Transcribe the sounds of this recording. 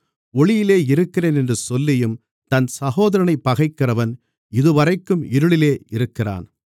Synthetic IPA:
ɔɭɪjɪleːɪɾɯkːɪreːnɛndrɯsɔlːɪjɯm | t̪ɐnsɐɣoːðɐɾɐɳɐɪpːɐɣɐɪkːɪrɐʋɐn | ɪðɯʋɐrɐɪkːɯmɪɾɯɭɪleːɪɾɯkːɪra̰ːn

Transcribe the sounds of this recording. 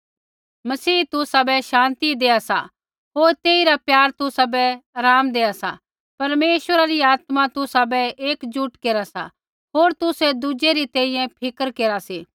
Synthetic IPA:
mɐsiːt̪ʊsabɛʃãːnt̪id̪eːasa̰ | ɦoːɾt̪eːiɾapjaːɾt̪ʊsabɛɾaːmd̪eːasa̰ | pɐɾmeːʃʋəɾaɾiaːt̪mãt̪ʊsabɛeːkd͡ʒʊʈkeːɾasa̰ | ɦoːɾt̪ʊsɛd̪ʊd͡ʒeɾit̪ɛ̃ːĩjɛ̃pʰɪkəɾkeːɾaseː

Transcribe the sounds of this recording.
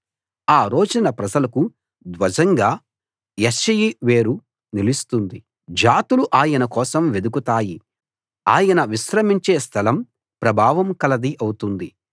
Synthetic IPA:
aːɾo̞ːd͡ʒinɐpɾɐd͡ʒɐlɐku | d̪ʋɐd͡ʒɐŋɡaː | jɐʃɐjiʋe̞ːɾu | nilist̪und̪i | d͡ʒaːt̪uluʔaːjɐnɐkɔːsɐmʋe̞d̪ukut̪aːji | aːjɐnɐʋiʃɾɐmiɲt͡ʃeːst̪ʰɐlɐm | pɾɐbʱaːʋɐmkɐlɐd̪iʔɐwut̪und̪i

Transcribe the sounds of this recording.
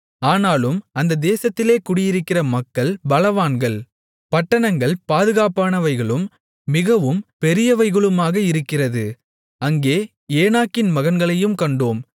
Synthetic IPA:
aːnaːlɯmɐnd̪ɐd̪eːsɐt̪ːɪleːkʊɽɪjɪɾɯkːɪrɐmɐkːɐɭbɐlɐʋaːnɡɐɭ | pɐʈːɐɳɐŋɡɐɭpaːðɯɣaːpaːnɐʋɐɪɣɐɭɯmː | ɪɣɐʋɯmpɛɾɪjɐʋɐɪɣɐɭɯmaːɣɐɪɾɯkːɪrɐðɯ | ɐŋɡeː | eːnaːkːɪnmɐɣɐnɡɐɭɐjɯmkɐɳɖoːm

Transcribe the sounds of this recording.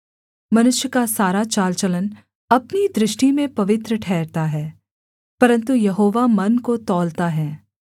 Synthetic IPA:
mɐnʊʃjəkasaːɾat͡ʃaːlt͡ʃɐlən | ɐpnid̪ɾɪʃʈimẽpɐʋɪt̪ɾəʈʰɛːɾt̪aɦɛː | pɐɾə̃nt̪ujɐɦoːʋamɐnkot̪ɔːlt̪aɦɛː

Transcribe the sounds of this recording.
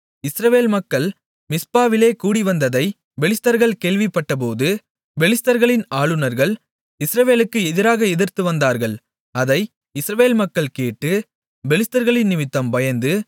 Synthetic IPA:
ɪsɾɐʋeːlmɐkːɐɭ | mɪspaːʋɪleːkuːɽɪʋɐnd̪ɐðɐɪ | ʋɛɭɪst̪ɐɾɣɐɭkeːɭʋɪpːɐʈːɐp̬oːðɯ | ʋɛɭɪst̪ɐɾɣɐɭɪnaːɭɯnɐɾɣɐɭ | ɪsɪɾɐʋeːlɯkːɯɛðɪɾaːɣɐɛðɪɾt̪ɯʋɐnd̪aːɾɣɐɭ | ɐðɐɪ | ɪsɪɾɐʋeːlmɐkːɐɭkeːʈːɯ | bɛlɪst̪ɐɾɣɐɭɪnnɪmɪt̪ːɐmbɐjɐnd̪ɯ

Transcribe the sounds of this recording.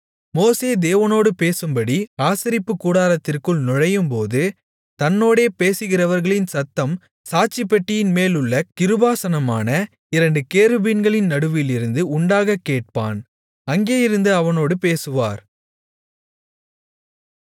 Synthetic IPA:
moːseːd̪eːʋɐnoːɽɯpeːsɯmbɐɽiaːsɪɾɪpːɯkːuːɽaːɾɐt̪ːɪrkɯɭnɔɻɐjɯmpoːðɯ | t̪ɐnːoːɽeːpeːsɯɣɪrɐʋɐɾɣɐɭɪnsɐt̪ːɐm | saːt͡ʃɪpːɐʈːɪjɪnmeːlʊɭːɐkɪɾɯbaːsɐnɐmaːnɐ | ɪɾɐɳɖɯkeːɾɯbɪnɡɐɭɪnnɐɽɯʋɪlɪɾɯnd̪ɯʊɳɖaːɣɐkːeːʈ̚pa̰ːn | ɐŋɡeːjɪɾɯnd̪ɯɐʋɐnoːɽɯpeːsɯʋa̰ːɾ

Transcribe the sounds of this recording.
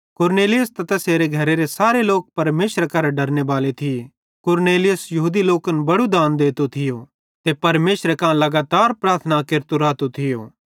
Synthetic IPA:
kʊɾneːlɪjəst̪ɐt̪ɛseːɾeɡʱɐɾeɾesaːɾeloːk̚pɐɾmeːʃɾkɐɾɖɐɾnebaːlet̪ʰɪe | kʊɾneːlɪjəsjɐɦuːd̪iloːkənbɐɽud̪aːnd̪eːt̪ot̪ʰɪjo | t̪epɐɾmeːʃɾekãlɐɡaːt̪aːɾpɾaːɾt̪ʰnakeɾt̪oɾaːt̪ot̪ʰɪjo̰ː

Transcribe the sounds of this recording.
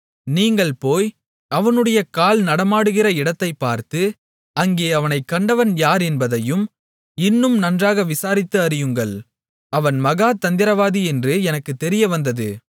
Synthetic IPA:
niːŋɡɐɭpoːj | ɐʋɐnɯɽɐjɐkaːlnɐɽɐmaːɽɯɣɪrɐɪɽɐt̪ːɐɪpːaːɾt̪ɯ | ɐŋɡeːɐʋɐnɐɪkːɐɳɖɐʋɐnjaːɾɛnbɐðɐjɯm | ɪnːɯmnɐndraːɣɐʋɪsaːɾɪt̪ːɯɐɾɪjɯŋɡɐɭ | ɐʋɐnmɐɣaːt̪ɐnd̪ɪɾɐʋaːðiɛndrɯɛnɐkːɯt̪ːɛɾɪjɐʋɐnd̪ɐðɯ̰

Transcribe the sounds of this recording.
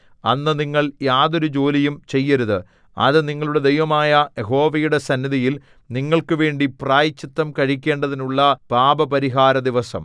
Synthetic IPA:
ɐnːɨniŋːɐɭjaːðo̞ɾud͡ʑo̞ːlijumt͡ɕe̞jːɐɾuðɨ | ɐ̰ðɨniŋːɐɭuɽe̞d̪ejʋɐmaːjɐjeɦo̞ːʋɐjuɽe̞sɐnːiðijil | niŋːɐɭkɨʋe̞ːɳɖipraːjit͡ɕːit̪ːɐmkɐɻik̬ʲːe̞ːɳɖɐðinuɭːɐpaːbɐpɐɾiɦaːɾɐd̪iʋɐsɐ̰m

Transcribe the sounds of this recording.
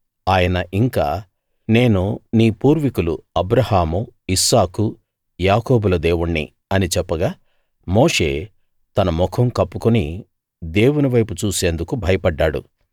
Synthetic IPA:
aːjɐnɐʔiŋka̰ː | ne̞ːnuniːpuːɾʋikulṵɐbɾɐhaːmuisaːku | jaːkoːbulɐd̪e̞ːwuɳːḭ | ɐnit͡ʃɛpːɐɡaː | mo̞ːʂe̞̰ː | t̪ɐnɐmɔkʰɐmkɐpːukuni | d̪e̞ːwuniʋɐjput͡ʃuːse̞ːnd̪ukubʱɐjɐpɐɖːaːɽṵ

